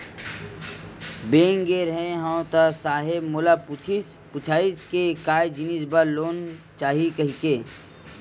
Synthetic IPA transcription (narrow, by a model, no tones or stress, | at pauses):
bẽːŋɡeɾɦẽɦãt̪asaːɦɪbmʊlapʊt͡ʃʰis | pʊt͡ʃʰaːiskekaːjd͡ʒɪnisbaloːn | t͡ʃaːɦikɐɦikeː